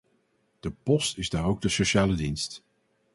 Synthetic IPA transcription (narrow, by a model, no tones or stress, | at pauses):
d̥əpɔstɪzdaːɹowɡ̚dəsoʃaːlədinst